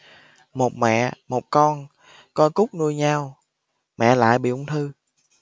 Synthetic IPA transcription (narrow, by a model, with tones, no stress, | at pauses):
mo˨˩t̚mɛ̰˧˨mo˨˩t̚kɔ˧n | kɔ˧jkʊ˦˥k͡p̚nu˧əjɲaː˧w | mɛ̰˧˨la̰ː˧˨jɓḭ˧˨ʔʊ˧ŋ͡mt̪ʰɨ˧